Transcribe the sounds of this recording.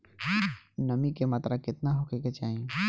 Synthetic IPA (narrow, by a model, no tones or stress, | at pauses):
nɐmikemɐt̪ɾakɪt̪naɦokeket͡ʃaːɦẽ